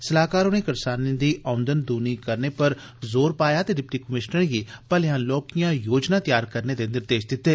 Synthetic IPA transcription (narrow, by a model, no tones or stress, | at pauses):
səlaːkaːɾʊnẽkɐɾsaːnĩd̪iʔaːnd̪ənd̪uːnikɐɾnepɐɾ | zoːɾpaːjat̪eɖɪp̚ʈikəmɪʃnəɾɡipəlɪjaːnloːkijãjoːd͡ʒnat̪jaːɾkəɾned̪enɪɾd̪eːʃd̪ɪt̪ːeː